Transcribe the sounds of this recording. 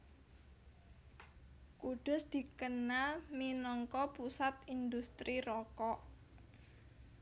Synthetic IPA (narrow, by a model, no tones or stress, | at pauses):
kuɖ̥ʊ̤sd̪̥i̤kənalminɔŋkɔpusat̪ind̪ust̪ɾiɾɔkɔʔ